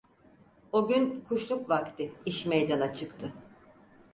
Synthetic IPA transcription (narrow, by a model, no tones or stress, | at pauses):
oɟʲynkʰuʃlˠukvakt̪ʰɪiʃmejd̪anat͡ʃʰɯkt̪ʰɯ